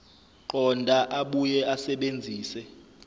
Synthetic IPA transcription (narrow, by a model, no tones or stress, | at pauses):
ǃɔndʱʼaʔaɓujɛasɛɓend͡zʱiːsɛ